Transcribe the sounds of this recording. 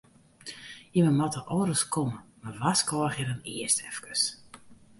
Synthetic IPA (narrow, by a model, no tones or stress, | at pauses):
jəməmatəʔɔɾəskʰɔməmaʋaskɔəxjəɾəniəstʰɛfkəs